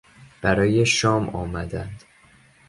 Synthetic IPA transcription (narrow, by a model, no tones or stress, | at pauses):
b̥æɾɒːje̞ʃɒːmʔɒ̰ːmæd̪ænd̪̥